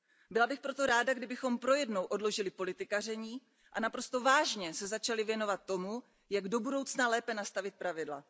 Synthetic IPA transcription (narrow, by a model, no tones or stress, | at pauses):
bɪlabɪxpɾo̞t̪o̞ɾaːdaɡdɪbɪxo̞mpɾo̞jɛdnowʔo̞dlo̞ʒɪlɪpo̞lɪt̪ɪkar̝ɛɲiː | ʔanapɾo̞st̪o̞vaːʒɲɛsɛzat͡ʃalɪvjɛno̞vat̪ːo̞mu | jaɡdo̞budo̞wt͡snalɛːpɛnast̪avɪt̪̚pɾavɪdla̰